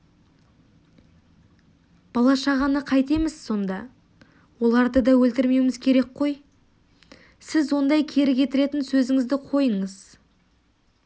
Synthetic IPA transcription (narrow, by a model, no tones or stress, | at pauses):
b̥ɑlˠɑʃɑʁɑnəqʰɑjt̪e̞mɪz̥so̞nd̪ɑ | wo̞lˠɑɾd̪əd̪ɑwɵlt̪ɪɾme̞wɪmɪzkʲʰe̞ɾe̞k̚qʰo̞j | sɪzwo̞nd̪ɑjkʲʰe̞ɾɪkʲʰe̞t̪ɪɾe̞t̪ɪnsɵzɪŋɪzd̪ɪqʰo̞jəɴəz